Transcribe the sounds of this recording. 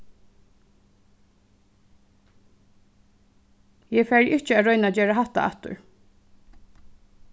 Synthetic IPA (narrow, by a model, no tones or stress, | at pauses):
jɛːfæːɹʔɪht͡ʃəaːɾœʏnad͡ʒeːɹaɦaht̪a̰ʔa̰t̪ʊ̰ɹ